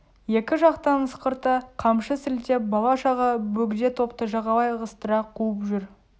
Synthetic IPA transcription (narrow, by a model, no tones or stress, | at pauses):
je̞kʲɪʒɑqt̪ɑnəsqəɾt̪əqʰɑmʃəsɪlt̪ebɑlˠɑʃɑʁɑbɵɡʲd̪e̞t̪ʰo̞pt̪əʒɑʁɑlˠɑjʁəst̪əɾɑqʰuəpʒʏɾ